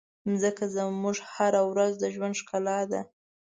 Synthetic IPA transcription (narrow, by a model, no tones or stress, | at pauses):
nzəkazəmuʐhaɾawɾazd̪əʒwand̪ʃkalɑd̪a̰